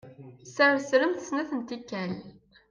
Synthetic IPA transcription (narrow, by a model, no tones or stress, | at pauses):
sæɾsləmθəsnæθənt̪ikːæl